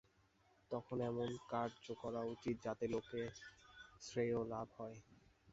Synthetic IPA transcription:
t̪ɔkʰonɛmonkaɾd͡ʑokɔɾaut͡ɕit̪̚d͡ʑat̪eloke | sɾejolabʱhɔe

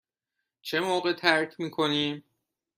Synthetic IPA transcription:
t͡ʃʰe̞moːɢe̞t̪ʰæɾcʰmiːkʰo̞niːm

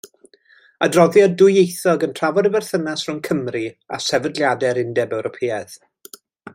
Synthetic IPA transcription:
adrɔðjɔdʊjejθɔɡəntʰr̥avɔdəvɛrθənasrʊnkʰəmria̰sɛvədlˠjadɛɾɪndɛbɛwɾɔpʰeːað̥

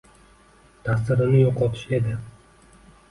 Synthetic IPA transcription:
t̪ʰasɪɾɪnɪjɒqʰɒt̪ʰɪʃe̞d̪ɪ

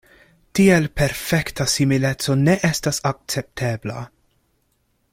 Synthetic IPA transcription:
tielpeɾfektʰasimilet͡so̞neʔestasak̚t͡sep̚tʰebla̰

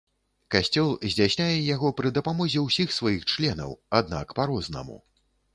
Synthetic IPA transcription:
kasʲt͡sʲɔlˠzʲd͡zʲasʲnʲajɛjaɣɔpɾɨd̪ɐpamɔzʲɛwsʲixsvajixt͡ʂlʲɛnɐ̰wad̪̚na̰kpaɾɔznɐ̰mṵ

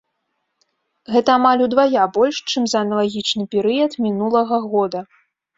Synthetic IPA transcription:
ɣɛt̪ɐːmalʲud̪vajabɔlʲʂt͡ʂɨmzɐɐnɐlˠaɣʲit͡ʂnɨpʲɛɾɨjɐt̪mʲinulˠɐɣɐɣɔd̪ɐ

